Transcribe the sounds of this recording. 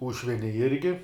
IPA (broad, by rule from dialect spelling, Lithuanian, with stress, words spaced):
ˈuːʃʲʋʲɪnʲɛ ˈɪrʲɡʲɪ